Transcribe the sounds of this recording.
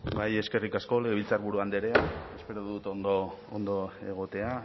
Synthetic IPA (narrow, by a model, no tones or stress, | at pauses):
ɡaje̞ske̞rikasko̞leɣeilt͡sarβuɾuand̪eɾe̞ae̞spe̞ɾoðut̪ond̪oond̪o̞e̞ɣ̞o̞t̪e̞a